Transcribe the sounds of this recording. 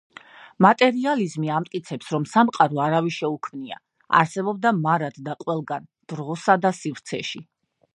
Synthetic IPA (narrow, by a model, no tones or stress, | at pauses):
mat̪ʼɛɾializmiamt̪ʼkʼit̪sʰɛpsɾɔmsamqʼaɾɔaɾaviʃɛukʰmnia̰ | a̰ɾsɛbɔb̚d̪amaɾad̪̥d̪aqʼwɛlˠɡand̪̥ɾʁɔsad̪asivɾt̪sʰɛ̰ʃi